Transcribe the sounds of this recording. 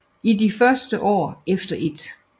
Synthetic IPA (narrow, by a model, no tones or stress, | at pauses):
idifɶɐsd̥əʔɒ̰ːefd̥ɐʔe̝d̥